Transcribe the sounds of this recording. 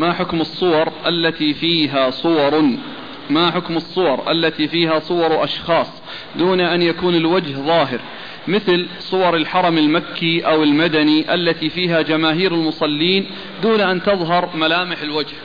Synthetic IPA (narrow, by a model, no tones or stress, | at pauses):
maħʊkmɨsˤːʊwɑɾˤʔalːat̪ifiːɦasˤʊwɑɾˤ | maħʊkmɨsˤːʊwɑɾˤʔa̰lːat̪ifiːɦasˤʊwɑɾˤʔɑʃxɑːsˤ | d̪uːnaʔanjakuːnɪlwad͡ʒhðˤɑːɦɪ̰ɾ | mɪθlsˤʊwɑɾˤɪlħɑɾˤɑmɪlmakːiʔawɪlmad̪aniʔalːat̪ifiːɦad͡ʒamaːɦiːɾɪlmʊsˤɑlːiːn | d̪uːnaʔant̪ɑðˤɦɑɾˤmalaːmɪħɪlwad͡ʒh